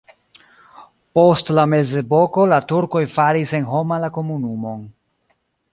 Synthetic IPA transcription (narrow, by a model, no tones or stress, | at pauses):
po̞stlame̞ze̞bo̞ko̞latuɾko̞jfaɾise̞nɦo̞malako̞munumo̞n